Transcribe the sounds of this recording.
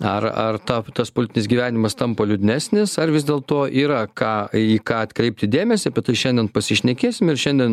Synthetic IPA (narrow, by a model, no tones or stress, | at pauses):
ɐrɐrt̪ɑːt̪ɐspolʲɪt̪ʲɪnʲɪsʲɡʲiːʋʲæːnʲɪmɐst̪ɐmpɐlʲʊd̪ʲɪnʲæːsʲnʲɪsɐrʋʲɪzd̪ʲeːlˠt̪oːʔiːɾɐkɑːiːkɑːɐt̪kɾʲɛɪp̚t̪ʲɪd̪ʲeːmʲɛsʲɪbʲɛt̪t̪ɐɪʃʲɛnʲd̪ʲɛnpɐsʲɪʃʲnʲɛkʲeːsʲɪmɪrʃʲɛnʲd̪ʲɛn